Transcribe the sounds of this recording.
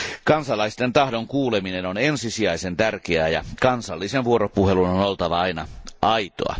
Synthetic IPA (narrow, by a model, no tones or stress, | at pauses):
kɑnsɑlɑist̪ent̪ɑhdoŋkuːleminenonensisiɑisent̪ærk̟eæjɑ̰kɑnsɑlːisenʋuoɾopuhelunonolt̪ɑʋɑɑinɑ̰ʔɑit̪o̰ɑ̰